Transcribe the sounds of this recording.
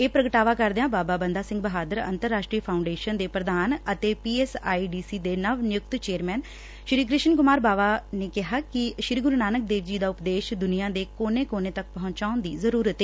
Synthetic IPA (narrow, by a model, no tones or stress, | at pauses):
eːpɾəɡəʈaːʋaːkəɾd̪eãːbaːbaːbənd̪aːsɪ̃ŋɡ̚bəɦaːd̪əɾə̰nt̪əɾːaːʃʈɾiːəpʰaːʊɳɖeːʃənd̪eːpɾəd̪aːnət̪eːpiːɛːsaːiːɖiːsiːd̪eːnəʋnɪjʊk̚t̪t͡ʃeːəɾmɛːn | ʃɾiːkɾɪʃənkʊmaːɾbaːʋaːneːkɪɦaːkɪʃɾiːɡʊɾnaːnək̚d̪eːʋd͡ʒiːd̪aːʊpd̪eːʃd̪ʊnijãːd̪eːkoːneːkoːneːt̪ək̚pəɦʊ̃ɲt͡ʃaːʊnd̪ḭːzəɾuːɾət̪ɦeː